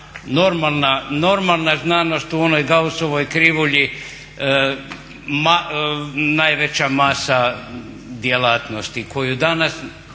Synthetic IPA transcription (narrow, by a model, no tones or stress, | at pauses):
no̞ɾmalˠnano̞ɾmalˠnaznaːno̞st̪uo̞no̞jɡausoʋojkɾiʋuʎi | ma | najʋet͡ɕamasa | d̪jelat̪no̞st̪ikʰo̞jud̪anas